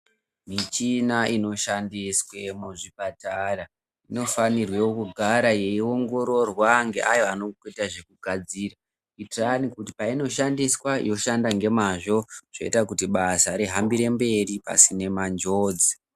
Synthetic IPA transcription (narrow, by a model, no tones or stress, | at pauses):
mit͡ʃinaino̞ʃandiswe̞muʐipatara | ino̞fanirwe̞okuɡʱaɾaje̞io̞ŋɡo̞ɾo̞rwaŋɡe̞̰ʔajoano̞kwetaʐe̞kuɡʱad͡ziːra | itranikutipaino̞ʃandiswa̰jo̞ʃandaŋɡe̞maʐo̞ʐ̥oḭtakutiɓasaɾe̞ɦambiɾe̞mbe̞ɾipa̰sine̞mand͡ʒo̞ːd͡zi